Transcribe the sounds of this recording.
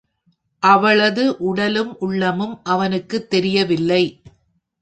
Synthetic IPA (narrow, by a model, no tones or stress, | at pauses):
ʔɐʋɐɭɐðɯʔʊɽɐlɯmʔʊɭːɐmɯmʔɐʋɐnɯkːɯt̪ːɛɾɪjɐʋɪlːɐɪ